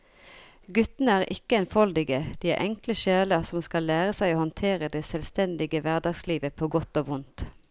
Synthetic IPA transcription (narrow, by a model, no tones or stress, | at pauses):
ɡʉt̪n̩əæːʁʔɪ̰kəɛnfɔld̪ɪɡəd̪̥iːæ̰ʁʔɛŋkləʃeːləʁsɔmskɑlːæːʁəsæɪoːhɔnt̪ʰeːʁəd̪ɛsɛlst̪ɛnd̪ɪɡəʋæʁd̪ɑːɡsliːʋəpʰoːɡɔt̪oːʋʊnt̪